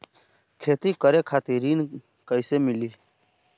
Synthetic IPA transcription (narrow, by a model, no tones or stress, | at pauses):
kʰeːt̪ikəɾekʰaːt̪ɪɾiːn | kəɪsemɪliː